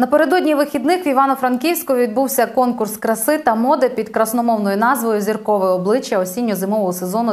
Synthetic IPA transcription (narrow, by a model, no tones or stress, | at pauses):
nɐpeɾe̞d̪ɔdʲnʲiʋɪxʲid̪nɪxʋʲiʋɑnɔfɾɐnkʲiwsʲkɔʋʲid̪̚buwsʲɐkɔnkʊrskɾɐsɪt̪ɐmɔd̪ɛpʲid̪kɾɐsnɔmɔwnɔjʊnɑzʋɔjʊzʲirkɔʋɔjɔblˠɪt͡ʃjɐɔsʲinʲːʊzɪmɔʋɔɦɔsezɔnʊ